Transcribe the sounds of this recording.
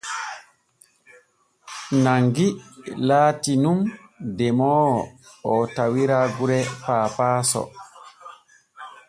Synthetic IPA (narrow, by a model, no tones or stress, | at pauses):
naŋɡilaːtinumdɛmɔ | ɔtawiɾaɡuɾɛpaːfaːsɔ̰